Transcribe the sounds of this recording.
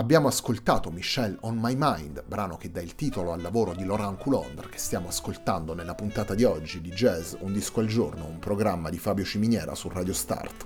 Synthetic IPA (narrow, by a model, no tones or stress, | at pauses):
abːjaːmoaskolt̪aːt̪omiʃːɛlɔnmajmajnd̪bɾaːnok̟ed̪ːailt̪iːt̪oloalːavoːɾod̪iloɾaŋkulɔnd̪rk̟e̥st̪jaːmoaskolt̪and̪onelːapunt̪aːt̪ad̪iɔd͡ʒːid̪id͡ʒɛzund̪iskoald͡ʒornoumpɾoɡɾamːad̪ifaːbjot͡ʃiminjɛːɾa̰suraːd̪jost̪a̰rt̪